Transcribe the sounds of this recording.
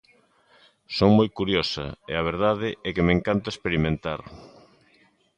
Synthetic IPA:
soŋmojkuɾjosɐ̰ḛaβ̞eɾðaðɪɛkemeŋkant̪ɐespeɾimẽnt̪aɾ

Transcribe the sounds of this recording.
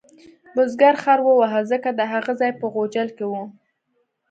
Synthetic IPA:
bʊzɡaɾxaɾwəwaɦəlzəkad̪əɦaɣazɑjpəɣod͡ʒalkewu

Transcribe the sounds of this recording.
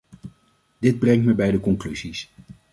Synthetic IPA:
d̥ɪd̚brɛŋtməbɛjdəkɔŋklyzis

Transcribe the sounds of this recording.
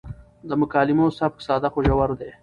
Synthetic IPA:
d̪əmʊkɑːlɪmosab̚ksɑːd̪axoʒawaɾod̪e

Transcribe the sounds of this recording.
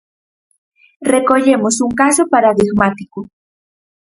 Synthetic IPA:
rekoʎemosuŋkasopaɾaðiɣmat̪iku

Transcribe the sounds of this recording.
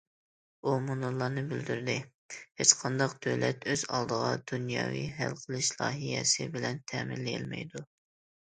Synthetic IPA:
umunʊɾlˠɑnɨbɪld̪yɾd̪ɪ | het͡ʃqʰɑnd̪ɑqd̪̥øwlɛt̪øz̥ɑlˠd̪əʁɑd̪̥unjɑ̰ːwḭɦælqʰəlˠɨʃlˠɑːɦijɛ̰sɪbɪlɛnt̪ʰɛmɪlːijɛlmɛ̰jd̪u

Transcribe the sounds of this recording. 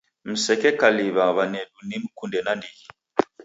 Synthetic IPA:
m̩sɛkɛkaliβaβanɛdunim̩kundɛnandiɣi

